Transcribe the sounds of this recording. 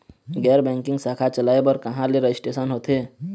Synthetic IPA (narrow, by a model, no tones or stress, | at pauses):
ɡɛːɾbɛ̃ːŋkɪ̃ŋɡsaːkʰat͡ʃəlaːebɔɾkɐɦãleɾəɪsʈeːsənɦoːt̪ʰe